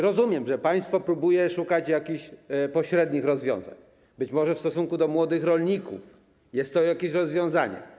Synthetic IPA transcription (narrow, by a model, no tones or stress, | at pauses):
ɾɔzumʲjɛmʐɛpaj̃st̪fɔpɾubujɛʂukat͡ɕjakʲiɕpɔɕɾɛd̪ɲixɾɔzvʲjɔ̰̃w̃za̰ɲ | bɘt͡ɕmɔʐɛfst̪ɔsuŋkud̪ɔmwɔd̪ɘxɾɔlɲikṵf | jɛst̪ːɔjakʲeɕɾɔzvʲjɔ̃w̃zaɲɛ̰